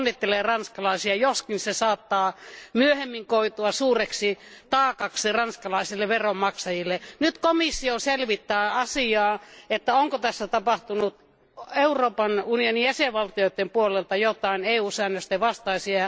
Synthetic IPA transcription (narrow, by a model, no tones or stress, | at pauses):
nːit̪ːelerɑnskɑlɑisiɑjoskinsesɑːt̪ːɑːmyøhemːiŋkoit̪uɑsuːreksit̪ɑːkɑksirɑnskɑlɑisilːeʋerommɑksɑjilːenyt̪komisːioselʋit̪ːæːɑsiɑːet̪ːæoŋkot̪æsːæt̪ɑpɑht̪unut̪ | euroːpɑnunionijæseʋʋɑlt̪ijoit̪ːempuolelt̪ɑjot̪ɑineˑːuːsæːnːøst̪eʋɑst̪ɑisiɑ